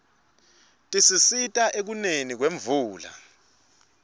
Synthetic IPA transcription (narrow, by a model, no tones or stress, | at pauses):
tʼisisitʼaʔek̬unenik̬weɱvuːla̰